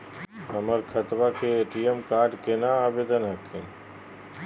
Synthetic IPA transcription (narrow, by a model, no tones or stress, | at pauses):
ɦəməɾkʰət̪ʋakeːʈijəmkaːɾɖkenaːʋeːd̪ənɦəkʰẽ